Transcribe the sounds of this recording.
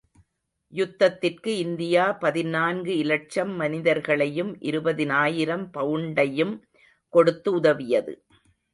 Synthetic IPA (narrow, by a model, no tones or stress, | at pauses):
jʊt̪ːɐt̪ːɪrkɯɪnd̪ɪjaːpɐðɪnaːnɡɯɪlɐʈ̚t͡ʃɐmːɐnɪðɐɾɣɐɭɐjɯmʔɪ̰ɾɯbɐðɪnaːjɪɾɐmpɐʋɯɳɖɐjɯm | kɔɽɯt̪ːɯʊðɐʋɪjɐðɯ̰